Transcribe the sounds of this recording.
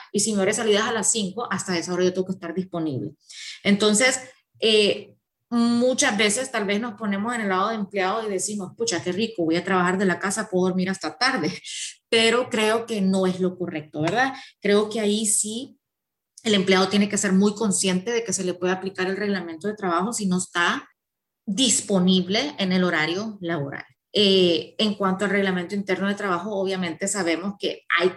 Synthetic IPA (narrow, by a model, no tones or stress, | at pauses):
isimeoɾesaliðasalasːiŋko̞ʔast̪ae̞sao̞ɾajoeɡokest̪aɾd̪ispo̞nḭβle̞̰ent̪o̞nse̞s | e | mut͡ʃazbe̞se̞st̪alβe̞zno̞spo̞ne̞mo̞se̞nelːaðoðeempljaðo̞iðe̞simo̞sput͡ʃake̞riko̞βo̞jat̪ɾaβaxaɾðe̞lakasapooo̞ɾmiɾast̪at̪aɾðe̞pe̞ɾo̞kɾe̞o̞ke̞no̞e̞zlo̞ko̞re̞k̚t̪o̞βe̞ɾðakɾe̞o̞ke̞aisi | e̞le̞mpleaðo̞t̪jene̞ke̞se̞ɾmujko̞nsje̞nt̪e̞ðe̞ke̞se̞lepwe̞ðaplikaɾelre̞ɣlament̪o̞ðe̞t̪ɾaβaxo̞sino̞est̪a | ðispo̞niβle̞ːne̞lo̞ɾaɾjo̞laβo̞̰ɾa̰l | eːŋkwant̪oalre̞ɣlament̪oint̪e̞ɾno̞ðe̞t̪ɾaβaxo̞oβ̞jamẽ̞nt̪e̞saβ̞e̞mo̞ske̞̰a̰j